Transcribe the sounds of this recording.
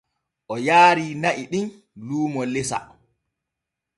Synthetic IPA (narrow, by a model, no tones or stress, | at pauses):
ʔɔjaːɾiːnaʔiɗin | luːmɔlɛsa̰